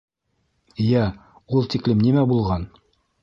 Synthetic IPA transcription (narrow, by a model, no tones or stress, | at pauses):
jæ | ulˠt̪iklɘmnimæbulˠʁɑn